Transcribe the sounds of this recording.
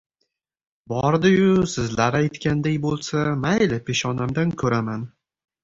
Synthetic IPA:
bɒɾd̪ɪjʊsɪzlaɾajt̪kʲand̪akʲbolˠsamalɪpʰeʃɒnamd̪ankʰɵɾaman

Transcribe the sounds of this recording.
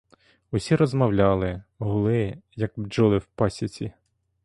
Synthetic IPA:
ʊsʲiɾɔzmɐwlʲɑlˠɪɦʊlˠɪjɐk̚d͡ʒɔlˠɪwpɑsʲit͡sʲi

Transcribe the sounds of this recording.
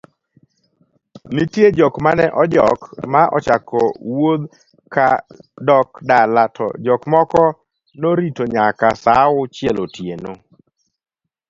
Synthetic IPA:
nitjed͡ʒɔkmanɛʔɔd͡ʒɔkmaʔɔ̰t͡ʃakɔwod̪ | kadɔkdalatʰɔ̰d͡ʒɔkmɔkɔ | noɾitoɲakasaʊt͡ʃjelotjeno

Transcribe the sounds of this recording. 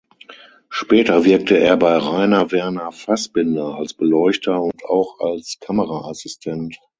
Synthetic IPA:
ʃpɛːtɐvɪɐk̚tʰəeːɐbaɪʁaɪnɐvɛɐnɐfasb̥ɪndɐalsb̥əlɔʏçtʰɐʊntʰaʊxalskʰaməʁaasɪstʰɛnt

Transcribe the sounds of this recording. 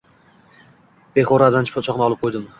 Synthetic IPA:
b̥eχoɾad̪ant͡ʃʰpʰot͡ʃʰɒqnɪɒlˠɪp̚qʰojd̪ɪm

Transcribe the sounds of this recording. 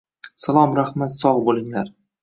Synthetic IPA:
salˠɒmɾaχmat̪sɒʁbolˠɪŋlaɾ

